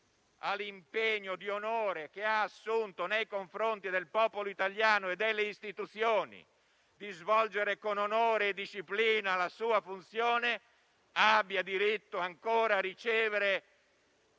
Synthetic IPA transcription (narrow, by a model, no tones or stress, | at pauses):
alimpeɲːod̪ionoːɾek̟eaːsːunt̪onejkoɱfɾont̪id̪elpɔːpoloit̪aljaːnoed̪ːelːeist̪it̪ut̪sjoːnḭ | d̪izvɔld͡ʒeɾekononoːɾeːd̪ːiʃːipliːnalasuːafunt̪sjoːne | abːjad̪iɾit̪ːoaŋkoːɾaːrit͡ʃɛːveɾe